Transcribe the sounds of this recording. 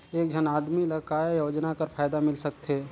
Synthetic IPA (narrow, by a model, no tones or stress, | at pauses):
eːkd͡ʒʱənaːd̪miləkaːjjoːd͡ʒnakəɾpʰaːjd̪amɪlsəkt̪ʰeː